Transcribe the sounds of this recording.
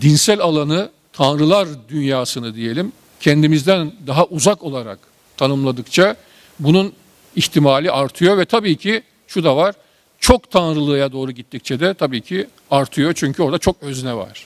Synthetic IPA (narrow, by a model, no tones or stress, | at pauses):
d̪insælʲalˠanɯ | t̪ʰanɾɯlˠaɾd̪ynjaːsɯnɯd̪ije̞lʲim | cʰɛnd̪imizd̪ænd̪aɦaʔuzako̞lˠaɾa̰k | t̪ʰanɯmlˠad̪ɯkt͡ʃʰa | bunun | içt̪ʰimaːlʲiʔaɾt̪ʰɯjo̞vɛt̪ʰabiːcʰɪ | ʃud̪avaɾ̥ | t͡ʃʰo̞kt̪ʰanɾɯlˠɯːjad̪o̞ːɾuɟit̪ːic̚t͡ʃʰɛd̪ɛt̪ʰabiːcʰi | aɾt̪ʰɯjo̞t͡ʃʰyɲcʰyo̞ɾd̪at͡ʃʰo̞k̚øzynɛva̰ɾ̥